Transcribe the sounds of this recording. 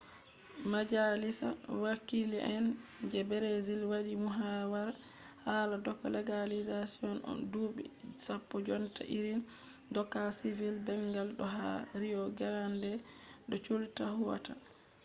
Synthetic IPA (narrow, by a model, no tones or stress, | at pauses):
mad͡ʒalisa̰wakilɛʔɛnd͡ʒɛbɛɾezilwaɗimuɦawaɾ | haladɔkːɔ̰lɛɡalizasiɔnɔ̰nduːɓḭsapːɔd͡ʒɔnta̰ʔiɾin | dɔkːasivilbɛŋɡalɗɔɦa̰ɾijɔɡɛɾandɛɗɔt͡ʃoltahuwa̰ta